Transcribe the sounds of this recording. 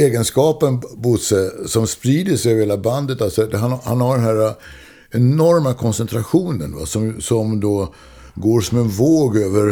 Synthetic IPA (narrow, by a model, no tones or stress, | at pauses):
eːɡənskɑːpənbʊt̪sɛsɔmspɾiːd̪əsɛøvɾheːlaband̪ət̪alsɔd̪ɛɦanha̰nhaɖɛnɦæːɾa | ɛnɔɾmakʰɔnsɛnt̪ʰɾaɧuːnənva̰sɔmsɔmd̪oː | ɡoːɾʂɔmɛnvoːɡøːvəɾ